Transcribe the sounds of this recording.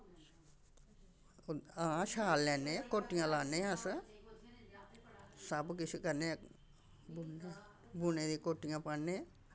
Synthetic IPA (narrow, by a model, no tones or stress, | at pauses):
ãːʃaːlːɛːnekoːʈːɪjãːlaːnẽːãs | səbkɪt͡ʃʰekəɾne | bune | buneːd̪ikoːʈːɪjãːpənẽː